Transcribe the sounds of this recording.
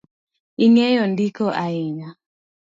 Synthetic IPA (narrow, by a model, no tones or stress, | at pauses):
ɪŋɛjɔndikoʔaɪɲa